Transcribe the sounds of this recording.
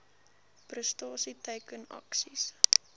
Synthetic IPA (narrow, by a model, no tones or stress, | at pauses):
prəstɑːsitɛjkənɐ̰ksis